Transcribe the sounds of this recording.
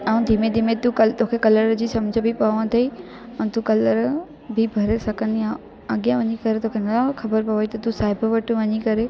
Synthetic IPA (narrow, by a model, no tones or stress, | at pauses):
aːũd̪ʱimed̪ʱimẽt̪ukt̪oːkʰekɐləɾd͡ʑiːsɐmd͡ʑʱəbɪpɐʋãt̪ʰɐi | ɛ̃t̪ukɐləɾ | bʱɪbʱɐɾesɐkʰənjã | ɐɠijãʋɐɲikɐɾet̪oːkʰenɐxɐbəɾpɐʋoit̪ɐt̪usaːɪbʋɐʈʰʋɐɲikɐɾe